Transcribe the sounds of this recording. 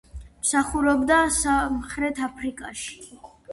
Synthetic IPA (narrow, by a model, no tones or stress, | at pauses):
msaχuɾɔbd̪asamχɾɛt̪ʰapʰɾikʼaʃi̥